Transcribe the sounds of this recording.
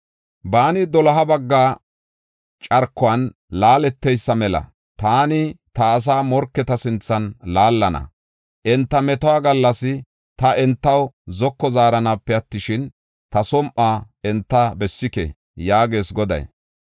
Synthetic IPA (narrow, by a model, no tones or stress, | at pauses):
baːnɪd̪ɔlɐɦɐbɐɡːaː | t͡ʃʼɐɾkːʊɐn | laːlɛt̪ːɛjsːɐmɛlɐ̰ | t̪aːnɪt̪ɐːs̬aːmɔɾkːɛt̪ɐsɪnt͡sːɐnlaːlːɐnɐ̰ | ʔɛnt̪ːɐmɛt̪ɔwaːɡɐlːɐsɪ | t̪ɐʔɛnt̪ːɐwzɔkːɔzaːɾɐnapːɛɐt̪ːɪʃɪn | t̪ɐsɔmʔaː | ɛnt̪ːabɛsːɪkɛ̰ | jaːɡe̞ːsɡɔd̪ɐ̰j